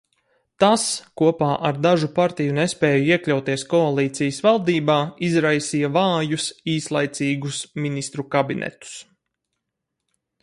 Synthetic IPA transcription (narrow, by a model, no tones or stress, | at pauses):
t̪askuɔpaːʔaɾd̪aʒupaɾt̪ijunespɛːjuiɛklʲawt̪iɛskɔalˠiːt̪sijəsvalˠd̪iːbaːizɾajsiːjavɑːjusiːslˠajt̪siːɡusminist̪ɾukabinɛ̰t̪u̥s